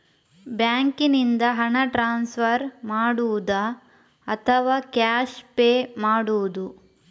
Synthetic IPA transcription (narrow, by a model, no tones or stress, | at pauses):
bjaːŋkinind̪ɐɦɐɳɐʈɾaːnsʋɐɾmaːɽuud̪ɐː | t̪ʰɐʋaːkaːʃpeːmaːɽuud̪u